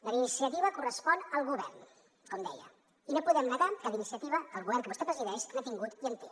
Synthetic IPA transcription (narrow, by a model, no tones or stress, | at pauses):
ləinisiət̪iβəkurəspɔnəlˠɣuβɛrn | kɔmd̪ɛjə̰ | inopuðɛmnət̪akaβinisiət̪iβəkəlˠɣuβɛɾrŋkəβust̪epɾəziðɛʃnat̪iŋɡut̪iənt̪u